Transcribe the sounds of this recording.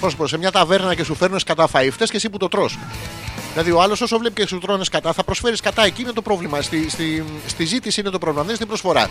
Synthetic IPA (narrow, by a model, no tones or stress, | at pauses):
pɾo̞sopose̞mɲɐt̪ɐve̞ɾnɐce̞sufe̞ɾnuneskɐt̪ɐfɐift̪escesiput̪o̞t̪ɾo̞sðilɐðioɐlo̞so̞so̞vle̞picesut̪ɾoneskɐt̪ɐθɐpɾo̞sfe̞ɾiskɐt̪ɐe̞ciine̞t̪opɾo̞vlimɐst̪ist̪ist̪izit̪isiinet̪o̞pɾovlimɐðenst̪ibɾo̞sfo̞ɾɐ̰